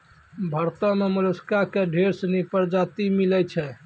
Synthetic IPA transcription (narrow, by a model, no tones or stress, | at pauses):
bʱəɾt̪ɔmeməluskakeɖʱeɾsnipəɾd͡ʒat̪imilɛt͡ʃʰɛ